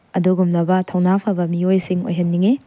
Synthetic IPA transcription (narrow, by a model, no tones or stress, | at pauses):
ɐduɡumnɐbɐtʰɐwnapʰɐbɐmiojsiŋo̰jɦɐnːiŋi